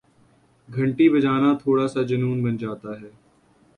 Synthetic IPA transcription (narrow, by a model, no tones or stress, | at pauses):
ɡʱɐ̃ɳʈibɐd͡ʒaːnat̪ʰoːɽasad͡ʒɐnuːnbɐnd͡ʒaːt̪aɦɛː